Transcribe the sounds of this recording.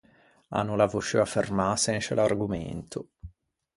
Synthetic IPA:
a̰nːulavut͡ʃeafermasenʃelarɡumḛnt̪ʰʊ

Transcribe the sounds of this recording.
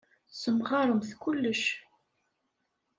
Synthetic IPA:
səmʁɑɾˤəmθkʊlːəʃ

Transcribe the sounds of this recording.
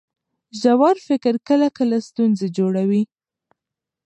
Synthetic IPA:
ʒawɑɾfɪkɪɾkəlakəlast̪unzed͡ʒoɽawi

